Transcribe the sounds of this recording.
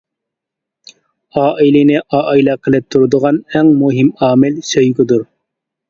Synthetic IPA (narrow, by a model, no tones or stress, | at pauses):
ɑːʔilɪnɪʔɑːʔjlɛqʰəlˠɪp̚t̪ʰuɾɨd̪ʊʁɑnɛŋmuɦɪmɑːmɪlsøjɡʲɪd̪uɾ